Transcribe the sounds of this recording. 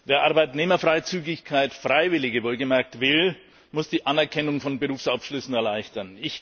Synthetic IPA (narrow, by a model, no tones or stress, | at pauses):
veːɐʔaɐbaɪtneːmɐfʁ̥aɪt͡syːɡɪçkʰaɪtfʁ̥aɪvɪlɪɡəvoːlɡəmɛɐk̚tv̥ɪl | mʊsd̥iːʔanɛɐkʰɛnʊŋfɔnbəʁuːfsafʃlʏsn̩ɛɐlaɪçtɐnɪç